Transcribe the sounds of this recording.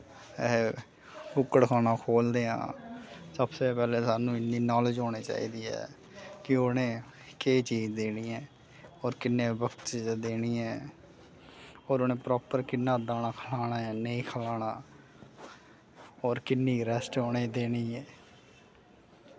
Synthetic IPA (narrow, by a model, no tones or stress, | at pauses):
bʊkːəɽkʰaːñaːkʰoːld̪eːã̰ːsəbseːpɛːleːsaːnũːɪnːiːnɔːləd͡ʒɦoːɽ̃eːt͡ʃa̰ːḭːd̪iːɛ̰ː | kɪonẽː | keːt͡ʃiːzd̪eːniːɛ̃ː | ɔːɾkɪnːeːɪbəkt̪t͡ʃiːzad̪eːniːɛː | ɔːɾonẽːpɾɔːpəɾkɪnːaːd̪aːnaːkʰəlaːɽaːɛːneĩːkʰəlaːɳaː | ɔːɾkɪnːiːɾɛsʈoːɽeːd̪eːɽiːɛː